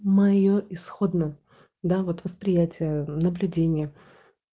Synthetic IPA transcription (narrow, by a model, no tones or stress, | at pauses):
mɐjoʔɪsxo̞d̪nə | d̪avot̪vəspɾʲɪjætʲɪjənəblʲʉdʲenʲɪjə